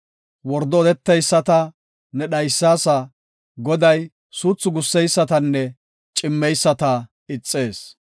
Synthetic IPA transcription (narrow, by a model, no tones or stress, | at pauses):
wɔɾd̪ɔːd̪ɛt̪ːɛjsːɐt̪ɐ | nɛɗɐjsːaːsɐ | ɡɔd̪ɐj | suːt͡sːʊɡʊsːɛjsːɐt̪ɐnːɛ | t͡ʃʼɪmːɛjsːɐt̪ɐ | ɪt͡sʼːe̞ːs